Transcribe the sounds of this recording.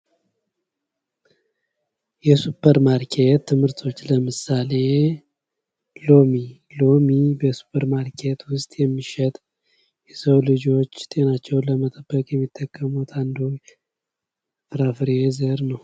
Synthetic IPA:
jɛsupʰːəɾmaɾkʰet̪ʰːɨmhɨɾt̪ʰo̞t͡ʃːləmɨsale̞ | lo̞mi | lo̞mibəsu̥pʰəɾmaɾkʰe̞t̪wʊst̪ʼjɛmːiʃɛt̪ʼ | jɛsəwlɨd͡ʒo̞t͡ʃːt̪ʼe̞nat͡ʃːɛwləmət̪ʼəbːəkʼjɛmːit̪ʰːəkʼːəmut̪ʰand̪u | fɾafɨɾezəɾnəw

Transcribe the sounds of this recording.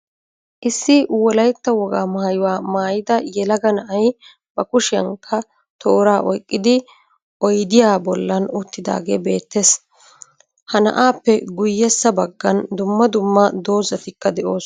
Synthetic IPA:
ʔɪsːɪwɔlɐjt̪ːɐwɔɡaːmaːjʊwaːmaːjɪd̪ɐjɛlɐɡɐnɐʔɐj | b̥ɐkʊʃɪɐ̰ŋkʰːɐ | t̪ʰo̞ːɾaːʔɔjkʼːɪd̪ɪ | ʔɔjd̪ɪjaːbɔlːɐnʊt̪ːɪd̪a̰ːɡe̞ːbe̞ːt̪ːes | hɐnɐ̰ʔaːpːɛɡʊjːɛsːɐbɐɡːɐnd̪ʊmːɐd̪ʊmːɐd̪o̞ːzɐt̪ɪkːɐd̪ɛʔo̞ːs

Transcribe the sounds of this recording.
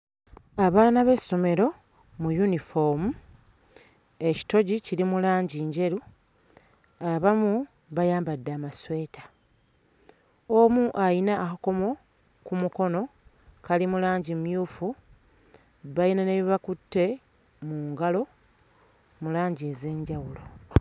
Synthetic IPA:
aβaːnaβe̞so̞me̞ɾo̞ | mujunifomu | e̞ci̥to̞ɟiciɾimulaːɲɟiːɲɟe̞ɾu | aβamu | βajaːmbadːaːmaswe̞ːtḁ | omuʔajinaːhako̞mo̞ | kumuko̞no̞ | kalimulaːɲɟimjuːfu | βajinaneβiβakutːe̞ | muːŋɡalo̞ | mulaːɲɟieze̞ːɲɟawulo̞

